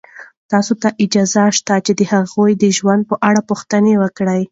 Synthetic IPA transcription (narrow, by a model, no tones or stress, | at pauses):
t̪ɑsot̪aʔɪd͡ʒɑzaʃt̪at͡ʃed̪əhaɣojd̪əʒwand̪̚pəʔaɽapuxt̪ənewəkɽəj